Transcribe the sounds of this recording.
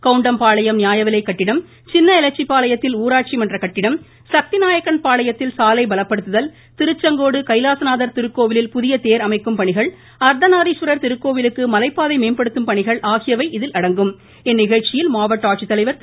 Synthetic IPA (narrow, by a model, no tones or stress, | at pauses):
kɐʊɳɖɐmpaːɭɐjɐmnɪjaːjɐʋɪlɐɪkːɐʈːɪɽɐm | t͡ʃɪnːɐɪlɐt͡ʃːipːaːlɐjɐt̪ːɪluːɾaːʈ̚t͡ʃimɐndrɐkɐʈːɪɽɐm | sɐk̚t̪ɪnaːjɐkːɐnpaːɭɐjɐt̪ːɪlsaːlɐɪbɐlɐpːɐɽɯt̪ːɯðɐl | t̪ɪɾɯt͡ʃːɐŋɡoːɽɯkɐɪlaːsɐnaːðɐɾt̪ɪɾɯkːoːʋɪlɪlpʊðɪjɐt̪eːɾɐmɐɪkːɯmpɐɳɪɣɐɭ | ɐɾd̪ɐnaːðiʃʋɐɾɐɾt̪ɪɾɯkːoːʋɪlɯkːɯmɐlɐɪpːaːðɐɪmeːnpɐɽɯt̪ːɯmpɐɳɪɣɐɭʔaːɣɪjɐʋɐɪʔɪðɪlʔɐɽɐŋɡɯm | ɛnːɪɣɐɻt͡ʃɪjɪlmaːʋɐʈːaːʈ̚t͡ʃit̪ːɐlɐɪʋɐɾ